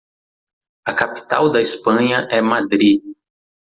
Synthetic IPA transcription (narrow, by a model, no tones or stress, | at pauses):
ɐkapi̥t̪a̰wd̪ɐispɐ̃ɲɐʔɛmad̪ɾi